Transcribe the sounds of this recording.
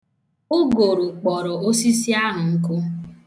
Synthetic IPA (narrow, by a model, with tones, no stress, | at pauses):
ʊ˦ɡo˨ɾu˨k͡pɔ˨ɾʊ˨o˦si˦si˦a˦ɦʊ˨ŋ̩˦kʊ˦